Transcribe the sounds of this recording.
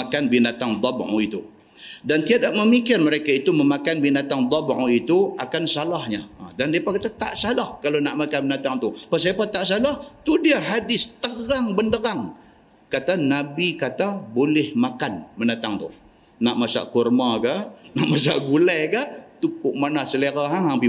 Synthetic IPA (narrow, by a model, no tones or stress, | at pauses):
akanbinat̪aŋd̪ˤɑbʕṵit̪u | dant̪iadaʔməmikɪrməɾekait̪uməmakanbinat̪aŋd̪ˤɑbʕuit̪uakansalahɲa̰dandiapakat̪at̪a̰ʔsalahkalonaʔmakanmənat̪aŋt̪upəs̬iapat̪aʔsalaht̪udiaɦadɪst̪əɣaŋbəndəɾaŋ | kat̪anabikat̪abolɪhmakanmənat̪aŋt̪ṵ | naʔmasa̰ʔkurmaɡanaʔmas̬a̰ʔɡulɛkaʔt̪ukʊʔmanasəleɾaɦaŋaŋpi